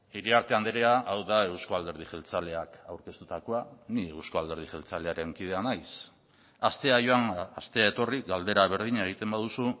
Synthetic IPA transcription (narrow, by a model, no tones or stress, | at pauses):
iɾiaɾt̪e̞and̪eɾeaʔawðae̞wskoald̪e̞ɾðiʝe̞lt͡sale̞akawɾke̞st̪ut̪ako̞aniewskoald̪e̞ɾð̞iʝe̞lt͡sale̞aɾe̞ŋkið̞e̞anajs | ast̪e̞ajo̞anast̪e̞ae̞t̪o̞rik̚ɡald̪e̞ɾaβ̞e̞ɾð̞iɲaeɣit̪e̞mbaðusu